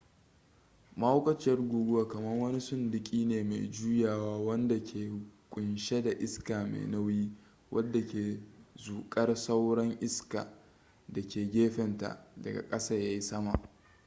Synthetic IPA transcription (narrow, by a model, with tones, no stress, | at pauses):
ma˦ho˦kʷʼɐ˦t͡ʃɐ˦rɡʷuː˨ɡʊ˦waː˨kɐ˨mɐ˦rwɐ˦ni˦sʊ˦ndɪ˨kʲʼiː˦neː˨ma̰˨jd͡ʒuː˦jaː˨waː˦wɐ˦nda˨kʲʰeː˨kʷʼʊ˨nʃe˦da˨ʔɪ˦skaː˨mḛ˨na˦wjiː˦ | wʔɐ˦dːa˨kʲeː˨zuː˨kʼɐ˦rsa˦wɽɐ˦ŋʔɪ˦ska̰ː˨ | da˨kʲeː˨ɡʲeː˦ɸɛ˨nta̰˨dɐ̰˨ɡa̰˨kʼɐ˦sɐ˦˨jaː˦ji˦sɐ˦ma˨ʔ